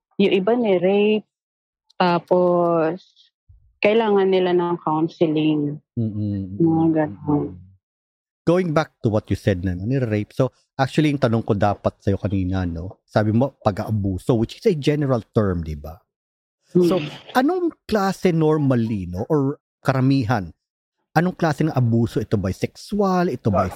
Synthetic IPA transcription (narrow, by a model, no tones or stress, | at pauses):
jʊŋʔɪbanɪɾejp̚ | t̪aːpos | kɐʔɪlaːŋɐnːɪlanɐŋkawnsɪlɪŋm̩ːmɐaɡɐnon | ɡ̥owɪŋbak̚t̪ʊwɐt̪̚jusɛd̪̚nɐnɐnɪɾejp̚so | ʔak̚t͡ʃuɐliŋt̪ɐnoŋkod̪aːpɐt̪̚sɐjo̞kɐniːnɐno̞saːbɪmo̞pɐɡʔɐʔɐbuːsowɪt͡ʃɪsɐd͡ʒɛnɛɹɐlt̪ɛɹmd̪ɪba | soʔɐno̞ŋklaːsɛnoɹmɐlino̞ʔoɹ | kɐɾɐmiːɦɐn | ʔɐno̞ŋklaːsɛnɐŋʔɐbuːso̞ʔɪt̪o̞bɐjsɛksʊalʔɪt̪o̞bɐj